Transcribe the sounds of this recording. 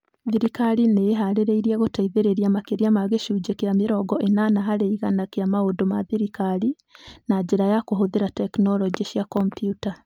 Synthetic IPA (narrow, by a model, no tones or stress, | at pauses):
ðiɾikaɾineɦaɾeɾeiɾiɛɣotaiðeɾeɾiamakeɾiamaɣeʃuːd͡ʒekeameɾɔɡɔʔenanaɦaɾeiɣanakeamaodomaðiɾikaɾi | nad͡ʒeɾajakoɦoðeɾatɛknɔlɔd͡ʒiɕiakɔmpijuta